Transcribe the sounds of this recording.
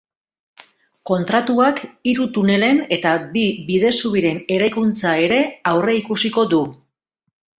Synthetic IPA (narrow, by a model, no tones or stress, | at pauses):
ko̞nt̪ɾat̪uakiɾut̪une̞le̞ne̞t̪abiβiðe̞suβiɾe̞ne̞ɾajkunt͡sae̞ɾe̞awre̞ikusiko̞d̪u